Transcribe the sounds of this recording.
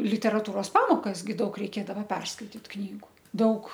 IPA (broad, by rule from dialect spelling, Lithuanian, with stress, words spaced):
lʲɪtʲɛrɐˈtuːroːs ˈpɑːmoːkɐs ɡʲɪ ˈdɐʊk rʲɛɪˈkʲeːdɐʋɐ ˈpʲɛrskɐɪtʲɪt ˈknʲiːɡʊ ˈdɐʊk